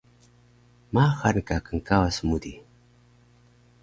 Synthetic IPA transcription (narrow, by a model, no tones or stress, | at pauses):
maxankakaŋkawasmud̪i